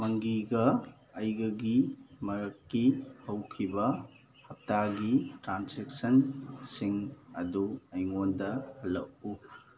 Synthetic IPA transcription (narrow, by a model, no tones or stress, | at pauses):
mɐŋɡiɡɐ | ɐjɡɐɡimɐɾɐkːihɐwkʰibɐ | hɐp̚taɡitɾanseksɐnsiŋɐduɐjŋondɐhɐlːɐʔ̚u